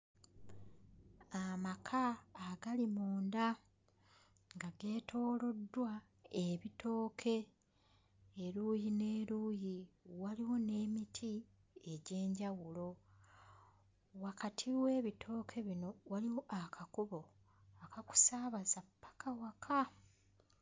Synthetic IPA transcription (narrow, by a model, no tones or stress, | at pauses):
amakʰaːɡalimoːnda | ŋɡaɡe̞ːtʰo̞ːlo̞dːwa | eβito̞ːkʰe̞ | ɾuːjine̞ːɾuːjiwaliwo̞ne̞ːmitʰi | e̞ɟe̞ːɲɟawulo̞ | wakatʰiwe̞ːβitʰo̞ːkʰe̞βino̞waliwo̞ʔakʰakuβo̞ | akaku̥saːβazapːḁkawakʰa